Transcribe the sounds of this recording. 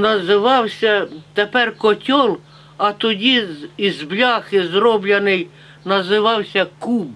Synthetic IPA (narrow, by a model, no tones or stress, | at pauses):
nɐzɪʋɑwsʲɐt̪epɛrkɔtʲɔlˠ | ɐt̪ɔdʲiizblʲɑxɪzrɔblʲɐnɪj | nɐzɪʋɑwsʲɐkub